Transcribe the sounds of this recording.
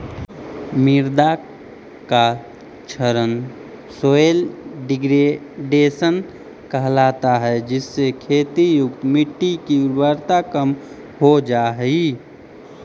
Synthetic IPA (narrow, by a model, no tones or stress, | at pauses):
mɪɾd̪a | ka | t͡ʃʰəɾən | soːelɖɪɡɾe | ɖeːsən | kəɦlaːt̪aɦɛd͡ʒɪsːekʰeːt̪ijʊk̚t̪mɪʈːikiwəɾt̪akəm | hod͡ʒaːɦi